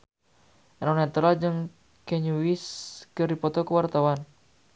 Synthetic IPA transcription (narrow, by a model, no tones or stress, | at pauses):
ʔanɔnat̪uɾald͡ʒɨŋ | kɛɲuwiskɨrdipɔt̪ɔkəwart̪awan